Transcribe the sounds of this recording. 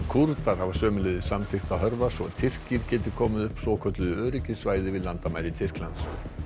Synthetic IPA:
kʰuɾt̪aɾ̥havasœːmʏlɛːðɪsamt̪ʰɪxt̪aðɦœɾvasɔt̪ʰɪr̥ciɾcɛːt̪ɪ̥kʰɔːmɪðʏhpsɔːkʰœt̪lʏðʏœːɾɪcɪsvaːjðɪvɪðlant̪amajɾɪt̪ʰɪr̥klans

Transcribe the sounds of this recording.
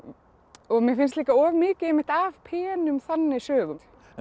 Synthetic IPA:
ɔɣmjɛfɪnstliːkaɔːvmɪːcɪemːɪht̪avpʰɛːnʏmθanːɪsœːɣʏ

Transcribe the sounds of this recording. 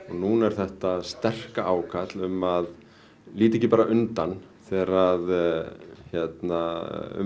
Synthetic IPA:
ɔɣnuːnɛɾ̥θɛht̪ast̪ɛr̥kaʔaːwkʰat̪lʏmað | liːt̪ɪɛcɪpaːɾaʔʏnt̪an | θɛːɾað | çjɛt̪naʏ̰

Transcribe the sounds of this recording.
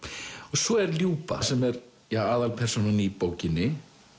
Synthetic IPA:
ɔɣsɔɛɾljuːpa̰sɛmɛɾ | jaaːðalpʰɛr̥sonanipoːwcɪnːɪ

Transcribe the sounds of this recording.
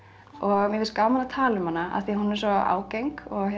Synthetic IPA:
ɔɣmjɛvɪlskawmanat̪ʰaːlʏmhanːaa̰θiahunːɛɾ̥sɔa̰ːwcejŋkɔɣ

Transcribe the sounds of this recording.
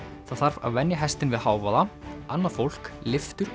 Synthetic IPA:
θaðθaɾ̥va̰ðvɛnjaɦɛst̪ɪnvɪðhaːwvaðaanːaðfowl̥klɪft̪ʏɾ

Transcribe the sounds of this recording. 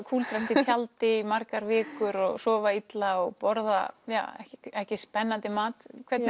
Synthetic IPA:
kʰuːlt̪ɾɛm̥t̪ɪjalt̪ɪimaɾkaɾvɪːkʏɾɔɣsɔːvait̪laɔɣpɔɾða̰ja̰ɛ̰hcɛhcɪspɛnːant̪ɪmaːt̪kʰvɛt̪n

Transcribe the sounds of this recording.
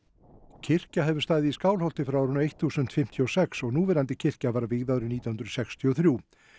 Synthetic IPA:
cʰɪr̥caɦɛvʏɾ̥st̪aːðɪiskaːwlhɔwl̥t̪ɪfɾawɾʏnaejht̪θuːsʏnt̪fɪm̥t̪ʰjiɔsɛksɔɣnuːvɛɾant̪ɪcʰɪr̥cavaɾavɪɣðaðɾʏmniːt̪ahʏnɾʏðsɛkst̪ʰiɔθɾjuː

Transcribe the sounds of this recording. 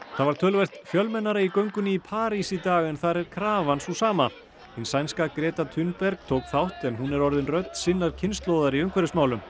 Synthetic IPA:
θaðvaɾ̥t̪ʰœːlvɛr̥t̪fjœlmɛnːaɾaikœɥŋkʏnipʰaːɾisit̪aːɣɛnθaɾɛɾ̥kʰɾaːvansusaːma | hɪnsajnskakɾɛːt̪at̪ʰʏnpɛɾk̚t̪ʰoːwkθawht̪ɛnɦunɛɾɔɾðɪnrœɥt̪n̥sɪnːaɾ̥cʰɪnst̪loːwðaɾiʏŋkʰvɛɾɪsmaːwlʏm

